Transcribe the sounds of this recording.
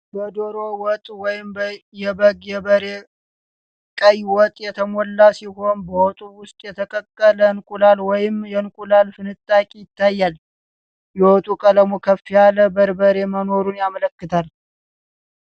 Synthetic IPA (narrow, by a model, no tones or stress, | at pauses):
bəd̪oɾowɔt̪ʼwɔjɪmjɛbəɡjɛbəɾe | kʼəjwɔt̪ʼjɛt̪ʰəmɔlːasiɦo̞nbəwɔt̪ʼuwʊst̪ʼjɛt̪ʰəkʼəkʼːələnkʼulalwɔjɪmjɛnkʷʼulalfɨnɨt̪ʼːakʼijɪt̪ːajːal | jɛwɔt̪ʼukʼələmokʰəfːijaləbəɾbəɾe̞mənoɾunjamələkːɨt̪ʰal